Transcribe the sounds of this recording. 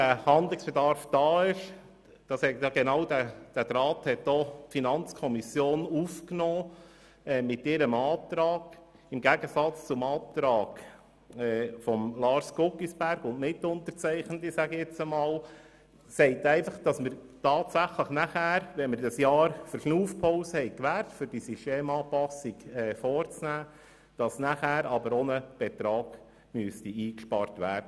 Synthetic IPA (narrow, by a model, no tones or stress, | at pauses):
æhɑnd̪lɪksb̥ɛdɑɾfd̥ɑːɪʃ | d̥ɑsɛtɑɡɛnɑwdæd̥æt̪ɾɑːthɛtd̥ɔtfinɑnt͡skʰɔmisjoːnufknɔː | ɛmɪtɪɾəmɑːt̪ɾɑːɡ̥ | ɪmɡæɡəsɑt͡st͡sʊmɑːt̪ɾɑːɡ̥ | ɛfɔmlɑːɾskʊkisb̥æɾɡʊntnɪtːʊnt̪əɾt͡sɛɪχnətisæɡɛt͡səmɑːl | sɛɪtɛɪfɑχd̥ɑsməɾtɑːtsæχləχnæχæːɾʋɛnməɾdɑsjɑːɾfəɾʃnuːfpʰɔʊsəhɛɪkʋæːrtfʏɾd̥isisʃteːmɑːpɑsiɡɛːfɔːrt͡snæː | d̥ɑsnæχæːɾɑbəɾɔnəb̥ɛt̪ɾɑːɡ̥ | myəstiiːkʃpɑɾtʋæːɾd̥ə